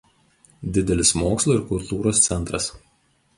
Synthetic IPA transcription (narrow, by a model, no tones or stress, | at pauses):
d̪ʲɪd̪ʲɛlʲɪsmoːkslˠuːˑɪɾkʊlˠt̪uːɾoːst̪sʲɛnˑt̪ɾɐs